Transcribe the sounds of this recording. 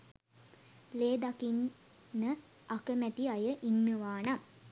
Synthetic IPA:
leːd̪akinː | ə | akəmæt̪iajəʔinːəʋaːna

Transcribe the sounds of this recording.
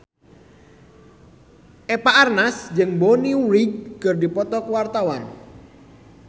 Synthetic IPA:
ʔepaʔarnasd͡ʒɨŋboniuɾiɡ̚ːərdipɔt̪ɔkəwart̪awan

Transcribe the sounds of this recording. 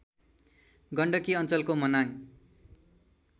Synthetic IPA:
ɡʌɳɖʌkiʌnt͡sʌlkomʌnaŋ

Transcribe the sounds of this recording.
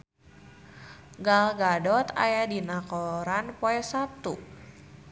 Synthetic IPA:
ɡalɡadɔt̪a̰jadinakɔɾanpɔɛsat̪u

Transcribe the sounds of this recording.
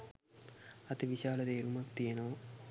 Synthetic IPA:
ɐt̪iʋiɕaːlɐd̪eːɾumɐkt̪ijɐnoː

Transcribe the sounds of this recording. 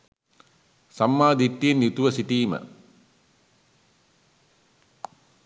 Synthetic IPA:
sɐmːaːd̪iʈ̪ːienjut̪uʋɐsiʈiːmə̰

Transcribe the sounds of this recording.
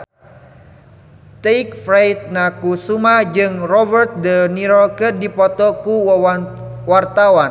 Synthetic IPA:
t̪eik̚fɾajt̪̚nakusumahd͡ʒɨŋrɔbərt̪̚dəniɾɔkədipɔt̪ɔkuwa | wart̪awan

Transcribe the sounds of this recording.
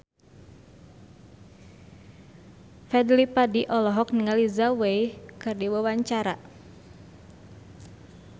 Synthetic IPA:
fɛdlipadiʔɔlɔɦɔk̚nəŋalizawejkɨrdiwəwaɲt͡ʃaɾa

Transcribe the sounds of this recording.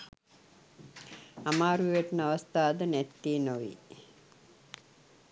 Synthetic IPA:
amaːɾujeʈnaʋɐst̪aːd̪ənɛt̪ːiːnoʋḭ

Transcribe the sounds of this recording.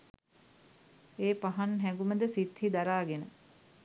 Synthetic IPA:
eːpaɦanɦæŋɡuməd̪əsit̪hid̪aɾaːɡenə

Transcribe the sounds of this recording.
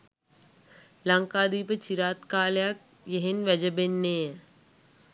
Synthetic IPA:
lɐŋkaːd̪iːpət͡ʃiɾaːt̪kaːljak̚ | jeɦenʋɐd͡ʒəbenːeː

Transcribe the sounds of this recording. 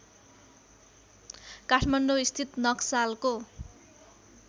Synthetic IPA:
kaʈʰmʌɳɖoist̪ʰit̪nʌksalko

